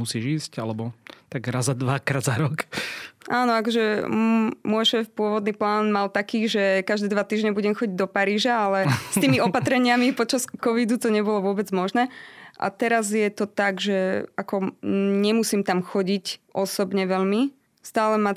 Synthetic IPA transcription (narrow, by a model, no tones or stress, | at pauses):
musiːʒiːscalɛbɔt̪aɡɾazad̪ʋakɾaːd̪zaɾɔkʔaːnɔakɔʒɛ | mʊɔjʃɛːfpʊɔʋɔd̪niːplaːnmalt̪akiːʒɛkaʒd̪ɛːd̪ʋat̪iːʒɲɛbuɟɛmxɔɟiɟd̪ɔpaɾiːʒaalɛst̪iːmiɔpat̪ɾɛɲɪamipɔt͡ʃaskɔʋid̪ut̪ɔɲɛbɔlɔʋʊɔbɛd͡zmɔʒnɛːʔa̰t̪ɛɾazjɛt̪ɔt̪aɡʒɛʔakɔɲɛmusiːmt̪amxɔɟicʔɔsɔbɲɛʋɛʎmi | st̪aːlɛma